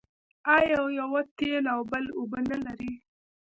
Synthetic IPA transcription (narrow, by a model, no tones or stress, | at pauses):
ajawjawat̪elawbəlʊbənalaɾi